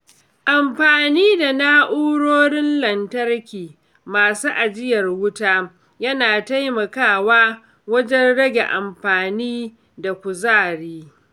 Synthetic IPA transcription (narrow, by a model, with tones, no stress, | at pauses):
ʔa˨mɸaː˨niː˦da˨naː˦ʔuː˦ɽoː˦ɽɪ˦nlɐ˨ntɐ˦rkʲiː˨ | maː˨suː˦ʔa˨d͡ʒɪ˦jɐ˨rwʊ˦taː˦ | jɐ˦naː˨ta˦jmɐ˨kaː˦˨waː˦ | wɐ˦d͡ʒɛ˦nɽɐ˦ɡʲḛ˨ʔa̰˨mɸaː˨niː˦ | da˨kʷu˨zaː˦˨ɽiː˦